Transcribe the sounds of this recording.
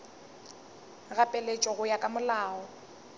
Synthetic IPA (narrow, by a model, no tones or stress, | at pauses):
ɣapʼɛlet͡ʃʼɔɣʊjakʼamʊlaːɔ